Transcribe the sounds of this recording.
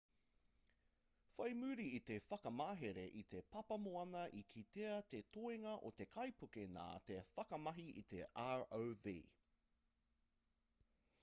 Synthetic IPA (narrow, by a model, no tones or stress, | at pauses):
fɐjmʉːɾiːt̪efɐkɐmaːɦeɾeʔit̪epɐpɐmoɐnɐʔikʰit̪eɐt̪et̪oeŋɐʔo̰t̪e̞kʰɐjpukena̰ːt̪efɐkɐmɐɦiʔit̪eʔaːɹowvḭː